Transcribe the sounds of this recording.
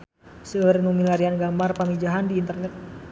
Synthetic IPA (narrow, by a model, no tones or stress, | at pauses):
səərnumilaɾianɡamarpamid͡ʒaɦandiːnt̪ərnɛt̪̚